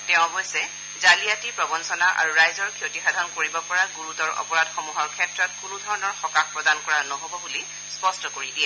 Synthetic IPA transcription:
tɛʊ̃ɦojsɛ | zalijatipɹɔbɔnsɔnaʔa̰ɹuɹajzɔɹkʰiotixadʱɔnkoɹibɔpɔɹaɡuɹutɔɹɔ̰pɔɹadxɔmuɦɔɹkʰɛtɹɔtkunudʱɔɹɔnɔɹxɔkaxpɹɔdankɔɹanɔɦobɔbuli | spɔstɔkoɹidiɛ

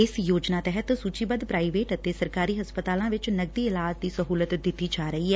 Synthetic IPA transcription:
ɪsjoːd͡ʒnaːt̪ɛɦət̪suːt͡ʃiːbəd̪pɾaːiʋeːʈət̪eːsəɾkaːɾiːɦəspət̪aːlãːʋɪt͡ʃnəɡ̚d̪iːɪlaːd͡ʒd̪iːsəɦuːlət̪d̪ɪt̪iːd͡ʒaːɾəiːɛː

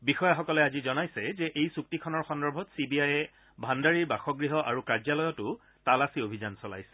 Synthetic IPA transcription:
bixɔjaxɔkɔlɛazizɔnajsɛzɛʔejsuk̚tikʰɔnɔɹxɔndɔɹbʱɔtsibiajɛ | bʱandaɹiɹbaxɔɡɹiɦɔʔaɹukaɹzalɔjɔtʊ | talasiobʱizansɔla̰jsɛ̥

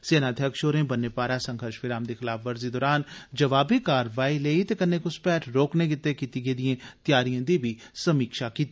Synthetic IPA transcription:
seːnat̪ʰjəkʃoːɾẽːbɐnːepaːɾaːsə̃ŋɡʱəɾʃʋɪɾaːmd̪ixɪlaːfʋɐɾzid̪ɔːɾaːnd͡ʒɐʋaːbʱikaːɾʋaːileːit̪ekɐɾnekospɛːʈʰɾoːknekɪt̪ːekiːt̪iɡeːd̪iẽt̪jaːɾijãd̪ibʱisɐmiːkʃakiːt̪i

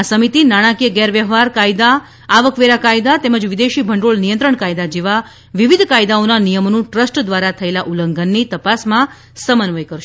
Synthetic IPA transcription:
asəmit̪inaɽ̃ãkijəɡɛɾʋjəɦʋaɾkajd̪aː | ʋəkʋeɾakajd̪at̪ɛməd͡ʒʋid̪eʃibʱəɳɖoɭnijənt̪ɾəɳkajd̪ad͡ʒeʋa | ʋiʋid̪ʱkajd̪aonanijəmnũʈɾəsʈd̪ʋaɾat̪ʰəelaʔuləŋɡənːit̪əpasmã | səmənʋəjkəɾʃ

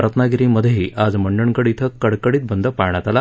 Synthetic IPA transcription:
ɾət̪ʰənaɡiɾiməd̪ʱjeɦiːʔad͡zməɳɖəɳkəɽit̪ʰəkəɽkəɽiːt̪̚bənd̪ʱəpaɳjat̪ala

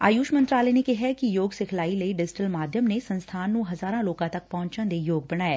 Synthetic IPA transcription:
a̰ːjuːʃmɐ̃nt̪ɾaːlenekeɦɛkijoːɡsekʰlaːilɐiɖɪd͡ʒɪʈəlmaːd̪ʱjəmnesɐ̃nst̪ʰaːnːũɦɐzaːɾãloːkãt̪ɐk̚pɐɦʊ̃ɲt͡ʃə̃nd̪ejoːɡ̚bɐnaːeː

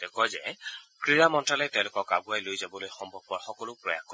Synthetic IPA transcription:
dɛkɔjzɛ̰kɹiɹamɔntɹalɛtɛʊ̃lʊkɔka̰ɡuajlojzabɔlojxɔmbʱɔb̚ɔɹxɔkɔlʊpɹɔja̰ko

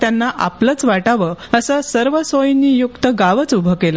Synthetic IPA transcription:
t̪janːaʔa̰plət͡sʋaʈaʋəəsəsəɾʋəsojnːiːjukt̪əɡaʋət͡subʱəkela

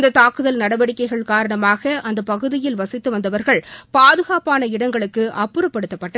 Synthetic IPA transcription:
d̪ɐt̪aːkɯðɐlnɐɽɐʋɐɽɪkːɐɪɣɐɭkaːɾɐɳɐmaːɣɐʔɐnd̪ɐpɐɣɯðɪjɪlʋɐsɪt̪ːɯʋɐnd̪ɐʋɐɾɣɐɭpaːðɯɣaːpaːnɐɪɽɐŋɡɐɭɯkːɯʔɐpːɯɾɐpːɐɽɯt̪ːɐpːɐʈːɐ

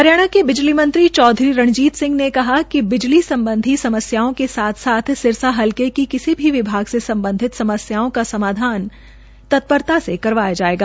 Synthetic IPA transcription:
pɐɾjaːɽ̃akebɪd͡ʒlimɐ̃nt̪ɾit͡ʃɔːd̪ʱɾiɾɐɳ̃d͡ʒiːt̪sɪ̃ŋɡnekɐɦakibɪd͡ʒlisɐ̃mbə̃nd̪ʱisɐməsjaːõkesaːt̪ʰsaːt̪ʰsɪɾsaɦɐlkekikɪsibʱiʋɪbʱaːɡsesɐ̃mbə̃nd̪ʱɪt̪sɐməsjaːõkasɐmaːd̪ʱaːn | t̪ɐt̪̚pəɾt̪asekɐɾʋaːjad͡ʒaːeːɡaː

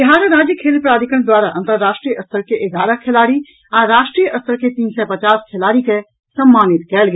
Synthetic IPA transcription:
ɪɦaːɾəɾaːd͡ʒjəkʰeːlpɾaːd̪ɪkəɽ̃d̪waːɾaʔɐ̃nt̪əɾːaːʃʈɾijəʔɐst̪əɾkeʔeɡaːɾəkʰelaːɾi | aɾɾaːʃʈɾijəʔɐst̪əɾket̪iːnsɛpɐt͡ʃaːskʰelaːɾike | sɐmːaːnɪt̪kɛːlɡ

